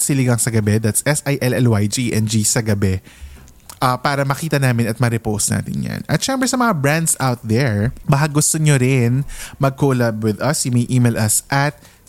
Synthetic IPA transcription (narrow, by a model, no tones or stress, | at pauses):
sɪlɪɡɐŋsɐɡɐbɛd̪at̪sʔɛsʔajʔɛlɛlwajd͡ʒiʔɛnd͡ʒisɐɡɐbɛ | ʔɐpaːɾɐmɐkiːt̪ɐnaːmɪnɐt̪̚mɐɾɛpowst̪na̰ːt̪ɪ̰nja̰nɐt̪ʃɛmbɾɛsɐmɐŋabɹand̪sawt̪̚ðɛɹbɐɦaɡʊst̪oɲoɾɪnmɐɡ̚koːlɐb̚wɪðɐsjʊmɐjʔiːmɛlʔɐsʔɐt̪̚